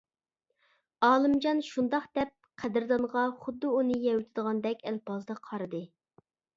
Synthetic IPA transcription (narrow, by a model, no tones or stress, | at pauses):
ɑːlˠɨmd͡ʒɑnʃund̪ɑqd̪̥ɛp̚qʰæd̪ɪɾd̪ɑɴʁɑχʊd̪ːuunɨjɛwyt̪ʰɪd̪əʁɑnd̪ɛkʲɛlpɑzd̪ɑqʰɑɾɨd̪ɨ